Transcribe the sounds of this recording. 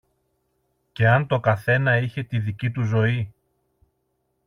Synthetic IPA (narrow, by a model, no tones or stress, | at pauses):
ce̞ɐnt̪o̞kɐθe̞nɐiçe̞t̪iðicit̪uzo̞i